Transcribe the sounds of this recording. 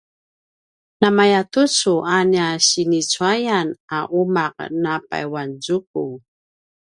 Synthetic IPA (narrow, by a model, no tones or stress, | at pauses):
namajatut͡suanaɕinit͡suajanaʔumaq̚napa̰jwanzuk̚u